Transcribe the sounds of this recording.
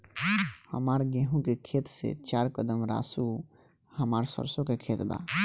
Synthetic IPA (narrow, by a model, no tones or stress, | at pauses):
hə̰maɾɡeɦũkekʰet̪sḛt͡ʃaɾkəd̪əmɾa̰su | həmaɾsə̰ɾsokekʰet̪ba̰